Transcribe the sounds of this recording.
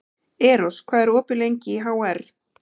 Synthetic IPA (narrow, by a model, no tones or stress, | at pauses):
ɛːɾɔskʰvaːðɛɾɔːpɪlejɲcɪɦawɛɾ̥